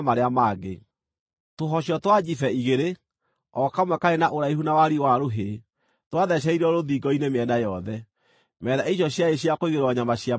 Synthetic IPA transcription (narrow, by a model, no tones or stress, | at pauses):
maɾeamaːɡḛ | toɦɔɕjɔtwad͡ʑifɛiɣeɾe | ɔkamwɛkaɾenaʔoɾaihunawaɾiwaɾoɦe | twaðɛɕ̬ɛiɾɔɾoðiɡɔinemeɛnajɔðɛ | mɛðaʔiɕjɔɕjaeɕjakoiɣeɾwaɲamaɕja